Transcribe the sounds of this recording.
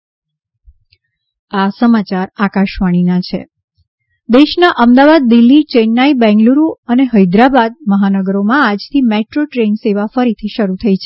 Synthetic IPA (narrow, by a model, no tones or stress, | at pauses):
asəmat͡ʃaɾakaʃʋaɽ̃inat͡ʃʰḛ | d̪eʃnaʔəmd̪aʋad̪̚ːɪlːit͡ʃenːaibɛ̃ŋɡluɾuəneɦəjd̪ɾabad̪̚məɦanəɡəɾomãad͡ʒt̪ʰimeʈɾoʈɾenseʋafəɾit̪ʰiʃəɾut̪ʰəit͡ʃʰe